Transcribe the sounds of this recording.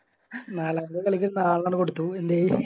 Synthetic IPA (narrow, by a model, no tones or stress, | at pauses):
naːlaːnd̪ɐkɐɭikʲːiɭunːaːɭnaːnɨkoɽut̪ːuend̪e